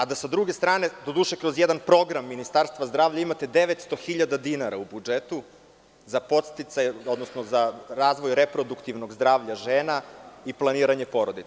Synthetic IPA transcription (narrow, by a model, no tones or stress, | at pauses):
ad̪asad̪ɾuɡe̞st̪ɾaːne̞d̪o̞d̪uːʃekɾo̞zjed̪anpɾo̞ɡɾamːinist̪aɾst̪ʋazd̪ɾaːʋʎaimat̪e̞d̪e̞ʋet̪st̪o̞xiʎad̪ad̪inaɾaubud͡ʒet̪u | zapo̞t̪st̪it̪sajo̞d̪nosnozaɾaːzʋo̞jɾe̞pɾo̞d̪ukt̪iʋno̞ɡzd̪ɾaːʋʎaʒeːnaiplˠaniːɾaɲe̞po̞ɾo̞d̪i